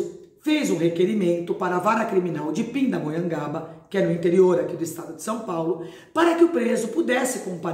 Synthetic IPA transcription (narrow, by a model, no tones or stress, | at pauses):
fejzũhekeɾimẽnt̪ʊpaɾɐːvaɾɐkɾiminawd͡ʒɪpĩd̪ɐmojɐ̃ŋɡabɐkɪɛnʊĩnt̪eɾioɾakid̪ʊɪst̪ad̪ʊd͡ʒɪsɐ̃w̃pawlʊ | paɾɐkɪʊpɾezʊpud̪ɛsɪkõpa